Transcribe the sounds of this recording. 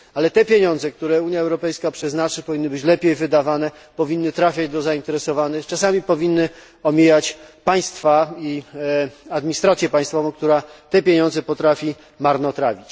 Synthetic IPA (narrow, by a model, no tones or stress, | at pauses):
alɛt̪ɛpʲjeɲɔ̃nd̪zɛk̚t̪uɾɛuɲjaɛwɾɔpɛjskapʂɛznat͡ʂɘpɔvʲinːɘbɘt͡ɕlɛpʲejvɘd̪avanɛ | pɔvʲinːɘt̪ɾafʲjad͡ʑd̪ɔzaint̪ɛɾɛsɔvanɘxt͡ʂasamʲipɔvʲinːɘ | ɔmʲijat͡ɕpaj̃st̪fai | ad̪mʲiɲist̪ɾat̪sʲjɛpaj̃st̪fɔvɔ̃kt̪uɾat̪ɛpʲeɲɔ̃nzɛpɔt̪ɾafʲi | maɾnɔt̪ɾavʲit͡ɕ